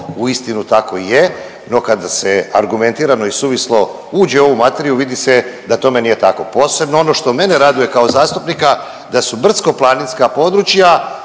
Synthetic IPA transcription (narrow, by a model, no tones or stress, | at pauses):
uist̪inut̪ako̞ije | no̞kad̪aseaɾɡume̞nt̪iːɾano̞isuʋislo̞ | uːd͡ʑe̞o̞ʋumat̪e̞ɾiuʋid̪ise̞d̪at̪o̞me̞nije̞t̪ako̞po̞ːse̞bno̞o̞no̞ʃt̪o̞me̞neɾad̪uje̞kaozaːst̪upnika | d̪asubr̩t̪sko̞plˠaninskapo̞d̪ɾut͡ʃja